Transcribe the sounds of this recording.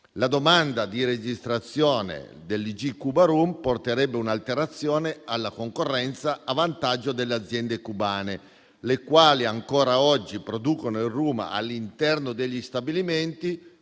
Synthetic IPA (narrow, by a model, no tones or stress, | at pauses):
lad̪omand̪ad̪iɾed͡ʒist̪ɾat̪sːjɔːnḛ | d̪elːid͡ʒikubaɾumport̪eɾɛbːeunalt̪eɾat̪sːjɔːnealːakoŋkorːɛnt̪saavant̪ad͡ʒːod̪elːead̪zjɛnd̪ekubaːne | lekwaːliaŋkɔːɾaɔd͡ʒːipɾod̪uːkonoilruːma̰a̰lːint̪ɛrnod̪eʎːist̪abiliment̪i